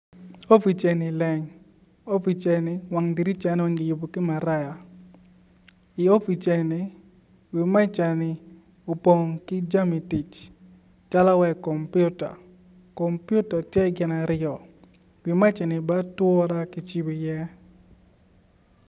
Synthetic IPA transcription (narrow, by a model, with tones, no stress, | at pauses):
o˦fi˨t͡ʃɛ˨nɪ˨lɛ˨ŋ | o˦fi˨t͡ʃɛ˨nɪ˦wa˨ŋdi˨ɾi˦t͡ʃa˨n˦o˦ɲɪ˨jʊ˨bo˨kɪ˦ma˨ɾa˦ja˨ | ɪ˨o˦fi˨t͡ʃɛ˨nɪ˨ | wi˨ma˦t͡ʃa˨nɪ˨ | o˨po˨ŋkɪ˦d͡ʒa˦mi˨ti˨t͡ʃ | t͡ʃa˦la˦wɛ˨kɔ˨mpjʊ˦ta̰˨ | kɔ˨mpju˦ta˨tjɛ˦ɡɪ˨na˨ɾjɔ˨ | wɪ˨ma˦t͡ʃɛ˨nɪ˨ba˦twɔ˦ɾa˦kɪ˨t͡ʃi˦wi˨jɛ˦